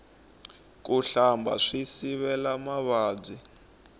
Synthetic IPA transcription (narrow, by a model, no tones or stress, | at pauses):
k̬ʼuɬambʱa̰ʂisiβɛlamaβaːb͡ʐi